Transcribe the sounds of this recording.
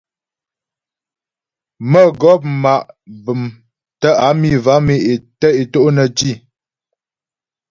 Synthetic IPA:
mə˦ɡɔ˦p̬̚ma˨ʔbɨ˨m | tə˦a˨˦mi˦˨va˨˦me˦e˨tə˦e˨to˦ʔnə˨ti˦˨

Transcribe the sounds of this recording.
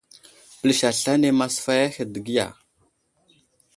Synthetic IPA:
pə˨lə˦ʃa˨ɬa˦ne˦ma˦sfa˦ja˦xe˨də˨ɡi˦ja̰˨

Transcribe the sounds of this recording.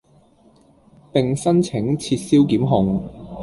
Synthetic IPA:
pɪ˨ŋsɐ˥nt͡sʰɪ˨˥ŋt͡sʰiː˧t̚siː˥wkiː˨˥mɦʊ˨ŋ

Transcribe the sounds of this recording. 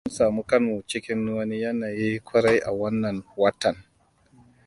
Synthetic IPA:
mʊ˦nsaː˨muː˦kɐ˦nmu˨t͡ʃɪ˦kʲɪ˦nːu˦wɐ˦ni˦jɐ˦naː˨ji˦kʷʊ˦ɽa˦jʔa̰˨wɐ˦nːɐ˨nwɐ˦tɐ˨n

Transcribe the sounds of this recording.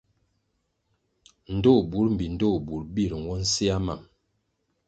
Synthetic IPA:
n̩˨do˦˨bu˨˦ɾm̩˨bi˨n˨do˦˨bu˨ɾbi˦˨ɾŋ˨wɔ˦n̩˦si˦a˦ma˨m

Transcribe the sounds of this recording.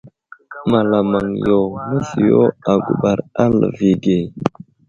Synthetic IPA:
ma˨la˨ma˨ŋjo˨mə˦si˨jo˦a˨ɡṵ˨ɓa˨ɾa˦lə̰˨vi˨ɡe˨

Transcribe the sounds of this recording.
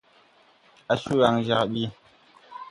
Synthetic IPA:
a˦ʃu˦ɣa˨ŋʒa˨kɓi˦

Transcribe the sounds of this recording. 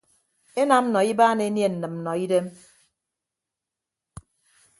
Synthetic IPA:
e˦na˨m̩˦nɔ˨i˦baː˦ne˨˦nje˦n̩˨nɨ˨m̩˨nɔ˨i˦de˦m

